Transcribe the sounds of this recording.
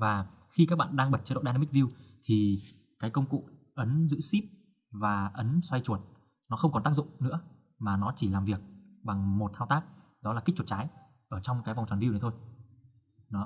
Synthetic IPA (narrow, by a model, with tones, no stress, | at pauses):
vaː˨˩ | xi˧kaː˦˥k̚ɓa̰ː˧˨nɗaː˧ŋɓə˨˩t̚t͡ɕɔ˧ɗo̰˧˨ɗa˧na˧m˦˥k̚vi˧wt̪ʰi˨˩ | kaː˨˦jkə˧wŋ͡mkṵ˧˨ | ʔə˨˦nzɨ̰˧˥si˦˥p̚ | vaː˨˩ʔə˨˦nswa˧jt͡ɕu˧˩ət̚ | nɔ˨˦xə˧wŋ͡mkɔ˨˩nt̪aː˦˥k̚zʊ̰˧˨ŋ͡mnɨ̰˧˥ə | maː˨˩nɔ˨˦t͡ɕi˧˩laː˨˩mvi˨˩ək̚ɓa˨˩ŋmo˨˩t̚t̪ʰaː˧wt̪aː˦˥k̚ | ɗɔ˨˦laː˨˩kk̚t͡ɕw̚t͡ɕaː˨˦j | ʔəː˧˩t͡ɕɔ˧wŋ͡mkaː˨˦jvwŋ͡mt͡ɕwaː˨˩nvi˧wnə˨˦t̪o˧j | nɔ˨˦